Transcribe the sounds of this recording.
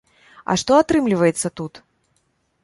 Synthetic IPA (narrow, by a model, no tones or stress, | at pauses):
ɐ̰ʂt̪ɔat̪ɾɨmlʲivɐjɛt̪sːɐt̪ut̪